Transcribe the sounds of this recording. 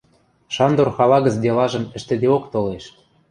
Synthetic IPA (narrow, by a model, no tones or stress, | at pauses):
ʃɑnd̪orxɑlɑɣə̆t͡sd̪elɑʒɤ̆mɘ̆ʃt̪ɘ̆d̪eokt̪oleʃ